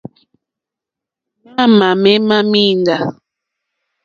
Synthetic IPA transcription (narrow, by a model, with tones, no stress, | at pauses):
ma˦˨ma˨mɛ˦ma˦mi˦nda˨